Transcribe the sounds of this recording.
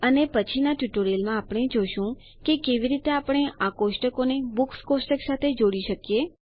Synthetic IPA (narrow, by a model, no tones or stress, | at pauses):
ənepət͡ʃʰinaʈuʈoɾelmãːpɽ̃ed͡ʒoʃũ | kekeʋiɾit̪eapɽ̃eʔakoʃʈəkonebukskoʃʈəksat̪ʰed͡ʒoɽiʃəkje